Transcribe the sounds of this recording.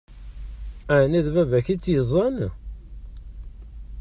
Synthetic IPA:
ænæðvævæçit͡sːjəzˤən

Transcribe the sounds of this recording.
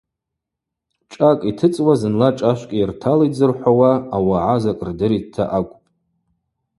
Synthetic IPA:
t͡ʃʼakʼitʰɨt͡sʼwazɨnlaʈ͡ʂʼaʃʷkʼirtʰalid͡zɨrħʷawaːwaʕazakʼrdɨɾidtʰːa̰ʔakʷʼpʼ

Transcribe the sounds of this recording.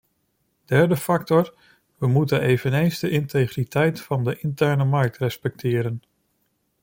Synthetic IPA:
d̥ɛɹdəfɑk̚tɔɹ | ʋəmutənejvənejnzdəʔɪntejχritɛjtfɑndəʔɪntɛɹnəmɑɹk̚trɛspɛk̚tʰɪːɾən

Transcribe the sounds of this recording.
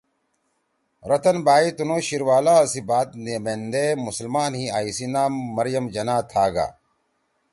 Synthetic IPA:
ɾɐt̪ɐnbaːit̪unoːɕiɾwaːlaːɐsibaːt̪neːmend̪emusɐlmaːnɦiaːisinaːmːɐɾjɐmd͡ʑɐnaːt̪ʰːaːɡa̰ː

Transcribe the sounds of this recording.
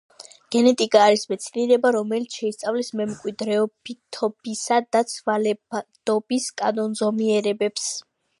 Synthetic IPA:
ɡ̥ɛnɛt̪ʼikʼaːɾismɛt̪sʰiniɾɛbaɾɔmɛlit̪sʰʃɛist̪sʼavlɛsmɛmkʼwid̪ɾɛɔbit̪ʰɔb̥isad̪at̪sʰvalɛbad̪̥ɔbiskʼa̰nɔnzɔmiɛɾɛbɛps

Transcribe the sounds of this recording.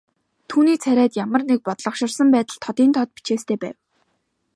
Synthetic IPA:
t̪ʰuːniːt͡sʰæɾʲæːt̪jamə̆rnek̚pɔt̪ɮɞ̆χʃɪ̆rsə̆mpæːt̪ə̆ɮt̪ʰɔt̪iːnt̪ʰɔt̪̚pi̥t͡ɕeːst̪ʰeːpæ̰ːw

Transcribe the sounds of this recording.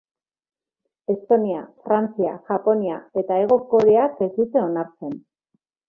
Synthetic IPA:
e̞st̪o̞niafɾant͡siaʝapo̞niae̞t̪ae̞ɣ̞o̞ko̞ɾe̞akesit͡s̪eo̞naɾt͡se̞n

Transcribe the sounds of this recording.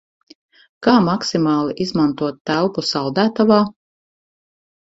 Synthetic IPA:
kaːmaksimaːlˠiʔizmant̪uɔt̪ːæwpusawd̪æːt̪avaː

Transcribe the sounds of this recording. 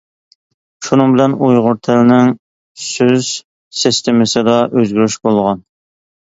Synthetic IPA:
ʃunɨŋbɪlɛnujʁʊɾt̪ʰɛlnɪŋ | søz | sɪst̪ʰemɪsɪd̪ɑʔøzɡʲyɾyʃbolˠʁɑn

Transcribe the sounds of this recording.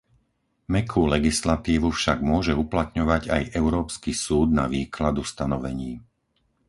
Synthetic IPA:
mɛkʰuːlɛɡislat̪iːʋufʃaɡmʊɔʒɛuplat̪ɲɔʋaɟajʔɛʊɾɔːpskisuːd̪na̰ʋiːkʰlad̪ust̪anɔʋɛ̰ɲiː

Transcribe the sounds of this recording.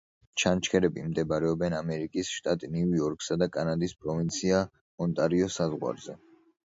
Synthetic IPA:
t͡ʃʰant͡ʃʰkʰɛɾɛbimd̪ɛbaɾɛɔbɛnamɛɾikʼisʃt̪ʼat̪ʼniujɔɾkʼsad̪akʼanad̪ispʼɾɔvint̪sʰia | ɔnt̪ʼaɾiɔsazʁwa̰ɾzɛ

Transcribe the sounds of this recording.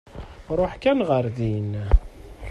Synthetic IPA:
ɾˤoħkænʁəɾðin

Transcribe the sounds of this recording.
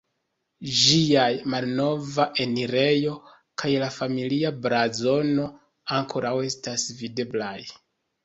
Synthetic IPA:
ʒiajmalno̞vaʔe̞niɾe̞jo̞ | kʰajlafamiliabɾazo̞no̞ | aŋkʰo̞ɾawe̞stasvide̞blaj

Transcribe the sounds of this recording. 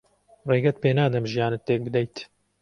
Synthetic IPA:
reːɡɛt̪peːnaːd̪ɐmʒijaːnɨt̪ːeːk̚bɨd̪ɛjt̪

